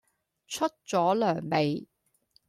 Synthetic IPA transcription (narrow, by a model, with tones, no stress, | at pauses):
t͡ʃʰɵ˥t̚t͡sɔː˨˥lœː˨˩ŋme˨j